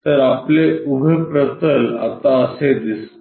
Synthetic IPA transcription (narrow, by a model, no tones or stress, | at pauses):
t̪əɾapleubʱepɾət̪əla̰t̪aəsed̪is